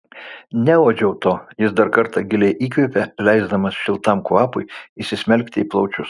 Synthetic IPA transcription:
nʲɛoːd͡ʒʲɛʊt̪oːjɪsd̪ɐɾkɐɾt̪ɑɡʲɪlʲeːʔiːkʋʲepʲɛlʲɛɪzd̪ɐmɐsʃʲɪlˠt̪ɑmkʋɑːpʊɪɪsʲɪsʲmʲɛlʲkʲt̪ʲɪiːplˠɐʊt͡ʃʲʊs

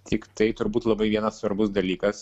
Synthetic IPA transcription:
t̪ʲɪkt̪ɐɪt̪ʊɾbuːt̪lˠɐbɐɪʋʲiɛnɐssʋɐɾbʊsd̪ɐlʲiːkɐs

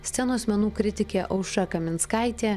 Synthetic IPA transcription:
sʲt̪ʲɛnoːsʲmʲɛnuːkɾʲɪt̪ʲɪkʲeːʔɐʊʃɐkɐmʲɪnskɑˑɪt̪ʲeː

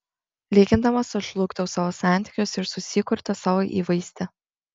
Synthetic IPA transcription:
lʲeːɡʲɪnd̪ɐmɐsʊʒlˠʊkt̪ʲoʊsɑːʋoːsɑˑnʲt̪ʲi̥kʲʊsɪɾsʊsʲɪkʊɾʲt̪ʲɐsɑːʋoʔḭːʋɐɪsʲt̪ʲɛ

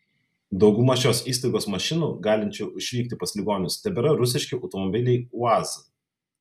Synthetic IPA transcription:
d̪ɒʊɡʊmɐʃʲoːsiːst̪ɐɪɡoːsmɐʃʲɪnuːɡɑːlʲɪnʲt͡ʃʲoːʊʃʲʋʲiːk̚ʲt̪ʲɪpɐsʲlʲɪɡoːnʲʊst̪ʲɛbʲɛɾɐɾʊsʲɪʃʲkʲɪʔɐʊt̪ɔmɔbʲɪlʲɛɪʊɑz

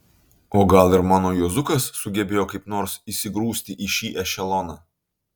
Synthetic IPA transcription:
oːɡɐlˠɪɾmɑːnoːjuɔzʊkɐsːʊɡʲɛbʲeːjoːkɐɪpnoːɾsisʲɪɡɾuːsʲt̪ʲɪʔiʃʲiːʔɛʃʲɛlˠɔnɑː

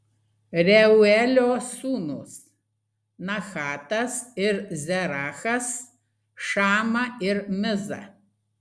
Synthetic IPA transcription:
rʲɛʊɛlʲoːsuːnʊs | nɐxaːt̪ɐsɪɾzʲɛɾaːxɐs | ʃɑːmɐɪɾmʲɪzɐ̰

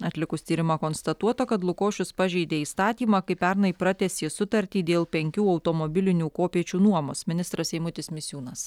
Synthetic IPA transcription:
ɐt̪ʲlʲɪkʊst̪ʲiːɾʲɪmɑkoːnst̪ɐt̪uɔt̪okɐt̪lˠʊkoːʃʲʊspɑʒʲɛɪd̪ʲeːiːst̪ɑːt̪ʲiːmɑkɐɪpʲɛɾnɐipɾɑt̪ʲɛsʲɪsʊt̪ɐɾʲt̪ʲiːd̪ʲeːlˠpʲɛŋʲkʲuːɒʊt̪oːmobʲɪlʲɪnʲuːkoːpʲiɛt͡ʃʲuːnuɔmoːsmʲɪnʲɪst̪ɾɐsɛɪmʊt̪ʲɪsmʲɪsʲjuːnɐs

